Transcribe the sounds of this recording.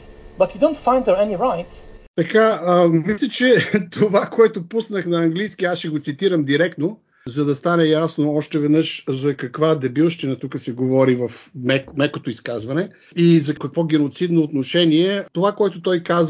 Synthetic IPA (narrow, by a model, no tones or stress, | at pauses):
bɐtjudõntfãɪnd̪ðə˞ɛniɹaɪtt̪ɐkaəmislʲɐt͡ʃɛt̪ʰovakoɛt̪opusnəxnɐɐŋɡlijskiasʃɛɡot̪sit̪iɾɐmd̪iɾɛkt̪no | zɐd̪ɐst̪anɛjasnoɔʃt̪ɛvɛd̪nɤʃzɐkɐkvad̪ɛbilˠʃt̪inɐt̪ukəsɛɡovɔɾivɐfmɛkmɛkot̪oiskazvɐnɛ | izɐkɐkvɔɡɛnot̪sid̪noːt̪noʃɛniɛt̪ovakoɛt̪ʊt̪ɔjkaz